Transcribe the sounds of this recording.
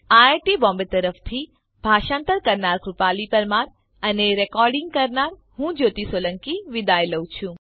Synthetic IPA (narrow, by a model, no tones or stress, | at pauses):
aʈibɔ̃mbet̪əɾəft̪ʰi | bʱaʃãnt̪əɾkəɾnaɾkɾupalipəɾmaɾ | əneɾɛkɔɾɖɪ̃ŋɡ̚kəɾnaɾ | ɦũd͡ʒot̪isoləŋkiʋid̪aeləwt͡ʃʰũ